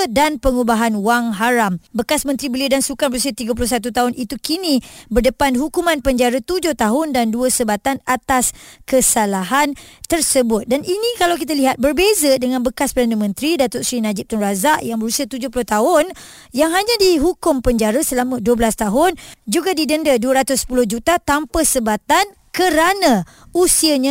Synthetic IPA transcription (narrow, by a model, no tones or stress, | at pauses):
danpəŋubaɦanwaŋɦaɾambəkasmə̃nt̪ɾibəliədansukanbəɾus̬iat̪iɡap̬ulʊhs̬at̪̬ut̪aɦʊnit̪ukinĩbərdəpanɦukumãnpəɲd͡ʒaɾət̪ud͡ʒʊht̪aɦʊndanduəsəbat̪anat̪askəsalaɦant̪ərsəbʊt̪̚danʔinĩkalawk̬it̪̬aliɦat̪̚bərbezədəŋãnbəkaspərdanəmə̃nt̪ɾidat̪ʊʔsɾinad͡ʒɪp̚t̪ʊnrazaʔjaŋbəɾusiat̪ud͡ʒʊhpulʊht̪aɦʊn | jaŋɦaɲãdiɦukʊmpəɲd͡ʒaɾəsəlamə̃duəbəlast̪aɦʊnd͡ʒuɡadidəndəduəɾat̪ʊspulʊhd͡ʒut̪at̪ampəsəbat̪an | kəɾanã | usiəɲã